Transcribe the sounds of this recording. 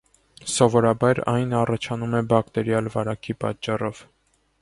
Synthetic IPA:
sɔvɔɾɑbɑɾɑjnɑrɑt͡ʃʰɑnumɛbɑkt̪ɛɾjɑlvɑɾɑkʰipɑ̰t̪t͡ʃːɑrɔv̥

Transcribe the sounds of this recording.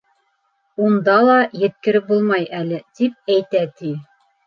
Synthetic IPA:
und̪ɑlˠɑjɘ̆t̪̚kɘ̆ɾɘp̚bulˠmɑjælɘt̪ip̚æjt̪æt̪i

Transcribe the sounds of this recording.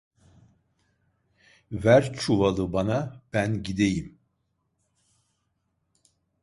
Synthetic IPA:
væɾt͡ʃʰuvalˠɯbanab̥ænɟid̪ejim

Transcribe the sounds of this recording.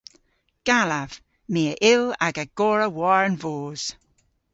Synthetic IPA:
ɡ̥alav̥ | meːəʔɪlaɡəɡ̥ɔːɹəwɔɹənvoːz̥

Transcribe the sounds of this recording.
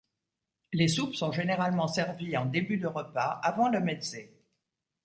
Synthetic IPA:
lesupsɔ̃ʒeneʁalmɑ̃sɛʁviɑ̃d̪ebyd̪əʁəpaavɑ̃ləmɛd̪se

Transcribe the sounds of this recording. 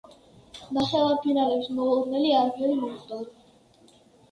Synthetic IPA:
naχɛlaɾpʰinaɾɛpsmɔɾnɛliaɾmɛlimɔχt̪ʼɔ

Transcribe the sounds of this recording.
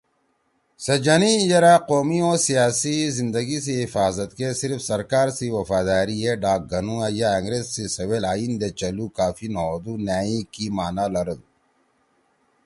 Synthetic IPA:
sɐd͡ʑɐnijɐɾaːqoːmioːsijaːsizind̪ɐɡis̬iɦifaːzɐt̪kesiɾfsɐɾkaːɾsiwɐfaːd̪aːɾiɦeɖaːk̚ɡɐnuɐjaɐŋɡɾeːzsisɐwelaːind̪et͡ɕɐlukaːfinɐoːd̪unjaːĩkimaːnalɐɾɐd̪u

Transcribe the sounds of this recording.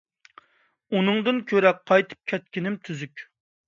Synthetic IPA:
unɨŋd̪ɨnkʲʰøɾɛk̚qʰːɑjt̪ʰɨ̥p̚kʲʰɛt̪̚kʲinɪmt̪ʰyzykʲ

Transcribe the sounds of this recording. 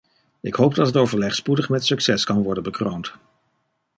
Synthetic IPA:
ɪkɦowp̚dɑtɦətowvəɹlɛχspudəχmɛtsɵksɛskɑnʋɔɹdənbəkrownt

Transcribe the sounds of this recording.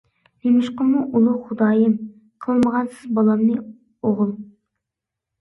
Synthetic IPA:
d̪emɪʃqəmuʔulˠuχʊd̪ɑːjɪm | qʰəlˠməʁɑnsɨzbɑlˠɑmnɨ | oʁʊlˠ

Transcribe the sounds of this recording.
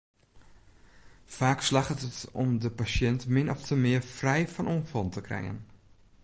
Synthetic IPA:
faːkslaxətətɔ̰mdəpasjɛntmɪnɔftʰəmɪəfrɛjfɔnʔuənfɔlˠntəkrɛ̰jə̰n

